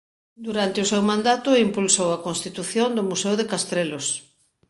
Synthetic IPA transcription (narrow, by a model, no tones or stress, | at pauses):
d̪uɾant̪ɪʊsewmãnd̪at̪ʊimpulsowɐkõnst̪it̪uθjond̪ʊmusewðekast̪ɾelos